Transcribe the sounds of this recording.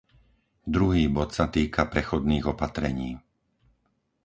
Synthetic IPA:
d̪ɾuɦiːbɔt̪sat̪iːkʰapɾɛxɔd̪niːɣɔpat̪ɾɛɲiː

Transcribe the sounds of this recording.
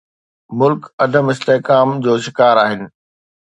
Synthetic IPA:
mʊlkɐd̪ʱəmɪst̪eːɦkaːmd͡ʑoːʃɪkaːɾaːɦɪnɪ̆

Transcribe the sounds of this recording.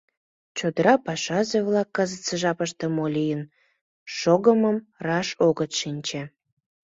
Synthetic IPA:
t͡ɕod̪əɾɑpɑʃɑzeβlɑkːəzət̪t͡səʒɑpəʃt̪emolʲijən | ʃoɣəməmrɑʃoɣət̪ʃinʲt͡ɕe

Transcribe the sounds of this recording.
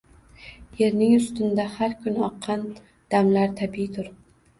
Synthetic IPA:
je̞ɾnɪŋʊst̪ʊnd̪ahaɾkʰʲʊnɒqʰːɑn | d̪̥amlaɾt̪ʰabit̪ʰʊɾ

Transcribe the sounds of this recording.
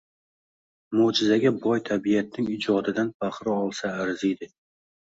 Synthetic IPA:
mod͡ʒɪzaɡʲabɒjt̪ʰabijat̪̚nɪŋɪd͡ʒɒd̪ɪd̪anfaχɾɪɒlˠsaːɾzɪjd̪ɪ

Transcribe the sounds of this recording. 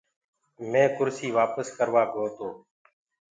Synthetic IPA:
mẽːkʊɾsiːʋaːpəskəɾʋaːɡoːt̪oː

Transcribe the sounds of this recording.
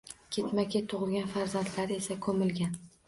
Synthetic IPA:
kʲʰe̞t̪makʲʰat̪ʰʊʁɨlˠɡʲanfaɾzant̪laɾe̞sakʰɵmɪlɡʲan

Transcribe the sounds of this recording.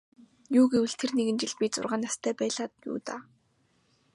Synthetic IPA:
juːɡewɘ̆ɬt̪ʰerneɣɘ̆nt͡ɕɪ̆ɮpʲit͡sʊ̰rʁaːnːast̪ʰæːpæːɮaːt̪jṵːt̪a̰ː

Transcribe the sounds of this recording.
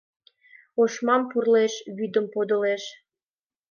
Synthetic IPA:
oʃmɑmpurleʃβyd̪əmpod̪oleʃ

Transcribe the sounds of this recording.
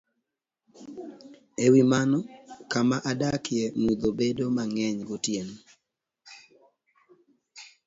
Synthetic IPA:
ewimanɔkamaʔadakjɛmud̪obedomaŋɛɲɡotjen

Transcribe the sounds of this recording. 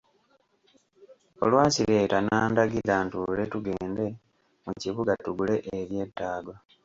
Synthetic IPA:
o̞lwaːsile̞ːtanaːndaɡiɾantule̞tuɡe̞ːnde̞ | muciβuɡatuɡule̞ʔeβje̞tːaːɡwa

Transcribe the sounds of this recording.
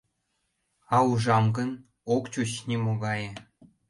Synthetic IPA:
ɑuʒɑmɡə̆n | okt͡ɕut͡ɕnʲimoɣɑjĕ

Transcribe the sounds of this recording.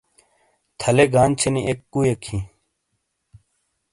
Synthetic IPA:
t̪ʰɐleɡaːnt͡ɕʰeniʔekːujekʰĩ

